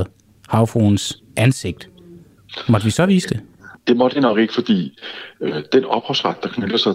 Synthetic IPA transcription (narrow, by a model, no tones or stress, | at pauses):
ð̩ˠ | hɑ̈ʊfons | ʔænse̝ɡ̥̚d̥ | mɒ̽d̥əʋisɒ̽ʋiːsd̥e̝d̥e̝mɒd̥inɒ̽ɡ̥e̝ɡ̥əfɒ̽d̥ḭː | d̥enɒ̽b̥hɒsʁad̥̚d̥ɑ̈kʰnødɐsɑ̈ɪ